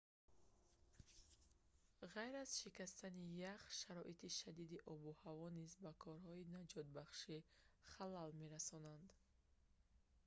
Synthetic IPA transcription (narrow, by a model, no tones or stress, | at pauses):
ʁajɾaz̥ʃikast̪anijaχʃaɾɔʔit̪ʰiʃad̪id̪iʔɔbuhavɔnizbakʰɔɾhɔinad͡ʒɔt̪̚baχʃiχalalme̞ɾasɔnand̪